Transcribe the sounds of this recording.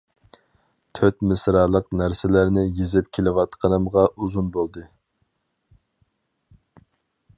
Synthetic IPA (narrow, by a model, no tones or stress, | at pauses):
t̪ʰøt̪̚mɪsɾɑːlˠəqnæɾsɪlæɾnɪjezɪp̚kʲʰelɪwɑt̪qʰənɨmʁɑʔuzunbolˠd̪ɨ